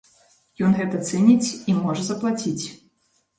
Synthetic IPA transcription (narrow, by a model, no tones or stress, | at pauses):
jɔnɣɛt̪ɐt̪sɛnʲit͡sʲimɔʐɐzɐplˠat͡sʲit͡sʲ